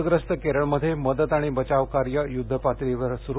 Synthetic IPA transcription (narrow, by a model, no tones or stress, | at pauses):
ɡɾəst̪əkeɾəɭməd̪ʱːjeməd̪ət̪aɽ̃ibət͡ɕaʋkaɾjəjud̪ʱːəpat̪ɾiʋəɾsuɾ